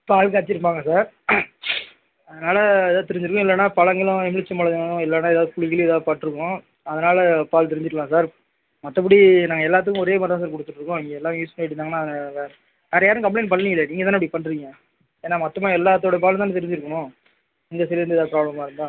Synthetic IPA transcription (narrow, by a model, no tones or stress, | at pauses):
paːlkːt͡ʃːɪɾɯp̬ːaːŋɡɐsaːɾ | ɐðɐnaːlɐðaːt̪ɪɾɪɲd͡ʒɪɾɯkːʊ̃ɪlːɛnːaːpɐlɐŋɡɐlʊ̃ɛmɪɭɪt͡ʃːɐmɐɭɐʊ̃ɪlːɛnaːɛðaːðɯkʊɻɪɣɪlːðaːðɯpaːʈːɪɾɯkːʊ̃ | ɐðɐnaːlɐpaːlt̪ɛɾɪɲd͡ʒɪʈːklãːsaːɾ | mɐt̪ːɐp̬ːɐɽinaːŋɡɐɛlːaːt̪̬ːɯkːʊ̃ɔɾeːmɐt̪ɾãːs̬aːɾkɔɽɯt̪ːɯʈːɾɯkːʊ̃ɪŋɡeɛlːaːjuːspɐneʈːɪnaːŋɐnːaːsaːɾ | ɛɾɐjaːɾɯ̃kɐmpleːnpɐɳːɪŋɡɪlːenĩːŋɡɐt̪aːɐpːɐɽipɐɳɖɪɾɪŋɡɐ | eːnːaːmɐt̪ːɐmaːɛlːaːt̪̬ːoːɽɐp̬aːlaːt̪ɛɾɪɲd͡ʒɪɾɯkːɐnʊ̃ | ɛŋɡ̪ɐsɛɾɾɯnɯɛðaːpɾaːbɭɐmaːɪɾɯnd̪ãː